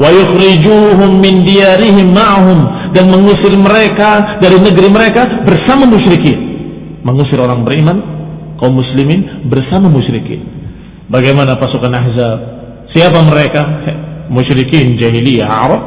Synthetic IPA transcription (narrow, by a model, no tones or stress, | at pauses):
wajʊxɾid͡ʒuːɦʊmːɪndiaɾɪɦɪmːaʕaɦʊmdanməŋusɪrməɾekadaɾinəɡɾiməɾekabərsamamuʃɾikin | məŋusɪɾoɾaŋbəɾimankaumːusliminbərsamamuʃɾikḭn | baɡajmanapasukanahzab̚ | siapaməɾekamuʃɾikind͡ʒaɦilija̰ʔa̰ɾɑp̚